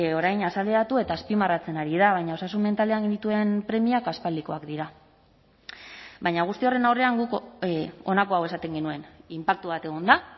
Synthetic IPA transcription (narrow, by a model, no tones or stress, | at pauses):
o̞ɾajɲasale̞ɾat̪ue̞t̪aːspimarat͡se̞naɾiðaβajɲao̞sasunme̞nt̪ale̞aŋɡinit̪uempɾe̞miakaspald̪iko̞akd̪iɾa | βajɲaɣ̞ust̪io̞re̞nawre̞aŋɡuk | o̞nako̞awe̞sat̪e̞ŋɡe̞nue̞nimpak̚t̪uβat̪e̞ɣ̞ond̪a